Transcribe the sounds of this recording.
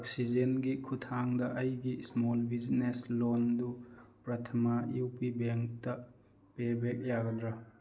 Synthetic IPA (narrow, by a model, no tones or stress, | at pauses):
ok̚sid͡ʒenɡikʰutʰaŋdɐʔɐjɡismolbid͡ʒneslondupɾɐtʰɐmajupibeŋk̚tɐ | pebek̚jaɡɐdɾɐ